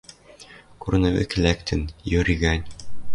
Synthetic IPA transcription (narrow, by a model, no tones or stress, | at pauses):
kuɾɘ̆nɘ̆wɘ̰kɘ̆lækt̪ʰɘnjɵ̆ɾĭɡænʲ